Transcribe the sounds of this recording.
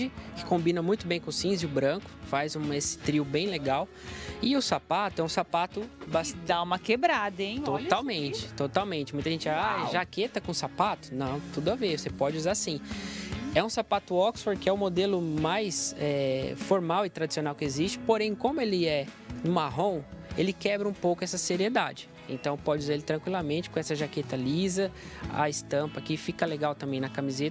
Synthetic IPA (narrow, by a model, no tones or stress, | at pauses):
ɪkɪ̥kõmbĩnɐmũj̃t̪ʊbẽj̃kõʊsĩziʊbɾɐ̃kʊ̥fajzũesɪ̥t̪ɾiʊbẽj̃leɡaw | ɪʊsapat̪ʊɛũsapat̪ʊbasd̪aũmɐkebɾad̪ɐẽj̪̃ot̪awmẽt͡ʃɪ̥t̪ot̪awmẽnt͡ʃɪmũt̪ɐʒẽnt͡ʃɪaaʒaket̪ɐkõsapat̪ʊ̥nɐ̃w̃t̪ud̪ʊavesepɔd͡ʒɪuzaasĩ | ɛũsapat̪ʊɔksfoɾkɪɛʊmod̪elʊmajsɛfoɾmawɪt̪ɾad͡ʒisionawkɪezist͡ʃɪ̥poɾẽj̃kõmʊelɪɛ | nʊmaɦõw̃elɪkɛbɾɐũpowkʊɛsɐseɾied̪a̰d͡ʒɪ | ḛ̃t̪ɐ̃w̃pɔd͡ʒɪuzaɾelɪt̪ɾɐ̃ŋkwilamẽnt͡ʃɪ̥kõɛsɐʒaket̪ɐlizɐɐ̰ɪst̪ɐ̃pɐkɪfikɐleɡawt̪ɐ̃mbẽj̃nɐkamizet̪ɐɐ